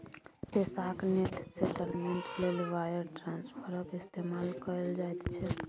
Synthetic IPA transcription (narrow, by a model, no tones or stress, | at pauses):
pesakneʈseʈəɾmeɳʈlelʋajəɾʈɾãnspʰəɾəkist̪emalkəɾəld͡ʒajt̪t͡ʃʰɛ